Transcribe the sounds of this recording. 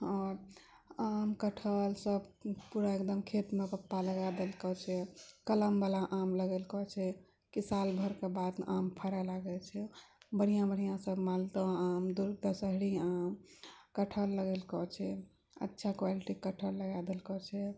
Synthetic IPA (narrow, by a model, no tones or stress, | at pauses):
ɔɾ | amkəʈʰəlsəbpuɾaekd̪əmkʰet̪mepəpːaləɡad̪elkɔt͡ʃʰɛkələmbalaʔamləɡɛlkɔt͡ʃʰɛ | kisalbʱəɾkebad̪ʔampʰəɾalaɡɛt͡ʃʰɛbəɽ̤ijãbəɽ̤ijãsəbʱmalt̪ə̃amd̪uɾd̪əsəɦɽiamkəʈʰəlːəɡelkɔt͡ʃʰɛ | ə̰tːʃʰakwaliʈikəʈʰəlːəɡad̪elkɔt͡ʃʰɛ